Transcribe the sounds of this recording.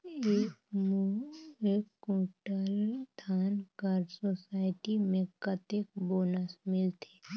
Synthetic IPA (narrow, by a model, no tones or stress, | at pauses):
eːkmueːkːũːʈəlt̪ʰaːnkəɾsosaːɪʈimẽkɐt̪eːk̚boːnəsmɪlt̪ʰe̥ː